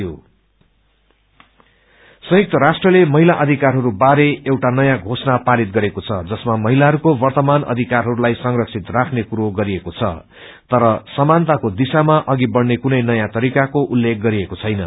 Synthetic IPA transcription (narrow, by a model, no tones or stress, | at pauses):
jo | sʌ̃jʌk̚t̪ʌɾasʈrʌlemʌɦilaʔʌd̪ʱikarɦʌɾubaɾeewʈanʌjãɡʱosnapalit̪̚ɡʌɾekot͡sʰʌd͡zʌsmamʌɦilaɦʌɾukobʌrt̪ʌmanʌ̰d̪ʱikarɦʌɾulajsʌŋrʌksʰit̪rakʰnekuɾoɡʌɾiekot͡sʰʌ̰ | t̪ʌɾʌsʌmant̪akod̪isamaʔʌɡibʌɽnekunʌjnʌjãt̪ʌɾikakoʔulːek̚ʰɡʌɾiekot͡sʰʌjnʌ